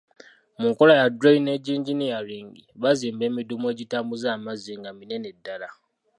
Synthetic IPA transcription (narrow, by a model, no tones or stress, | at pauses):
muŋkolajadɾaine̞ɟiːɲɟinijaɾiːŋɡiβaziːmbe̞ːmidumue̞ːɟitaːmbuzaːmaziŋɡamine̞ne̞dːala